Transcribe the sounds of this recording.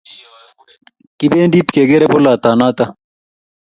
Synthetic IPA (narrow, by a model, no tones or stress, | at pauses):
kibeːnɖiːpkeːɡeɾepolaːt̪aːnaːt̪ɐ